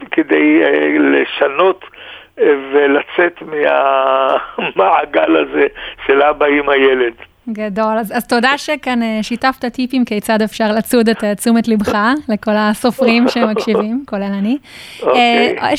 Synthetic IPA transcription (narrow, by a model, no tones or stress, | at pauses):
kedejeleʃano̞t | velat͡setmea | maʕaɡalazeʃelabaimajeled̪ | ɡado̞lazazto̞daʃekanʃitaft̪atipimkiejt͡sad̪efʃaʁlat͡sudetːt͡sumetlibχaleko̞laso̞fʁimʃeemakʃivimkolelanio